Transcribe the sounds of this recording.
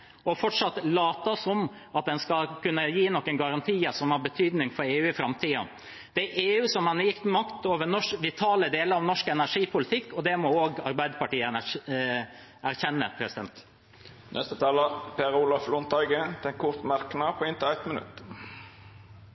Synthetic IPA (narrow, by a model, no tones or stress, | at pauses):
ɔfɔʈʂɑt̪ːlɑːt̪ɑsɔm | ɑt̪̚d̪ɛnskɑkʉnːəjiːnɔkːənɡɑɾɑnt̪ʰiːəsɔmhɑɾbət̪ʰyːd̪nɪŋfɔɾeːʉːɪfɾɑmt̪ʰiːɑ̰ | d̪̥ɛæɾeːʉːsɔmhɑnjɪkt̪mɑkt̪oːʋəɾnɔʂkʋɪt̪ʰɑːləd̪eːləɾɑʋnɔʂkɛnæɾʂiːpʊlɪt̪ʰɪkːɔd̪ɛmɔoːɡɑɾbæɪd̪əpɑʈiːən | æɾçɛnːəpʰɾɛsɪd̪ɛ̰nt̪ | nʔɛ̰st̪ət̪ʰɑːləpʰeːɾʊlɑflɔnt̪ɑʏɡət̪ʰɪɛnkʰʊʁt̪mɑɾknɑpʰɔɪnt̪ɪlæɪt̪mənʉ̰t̪ː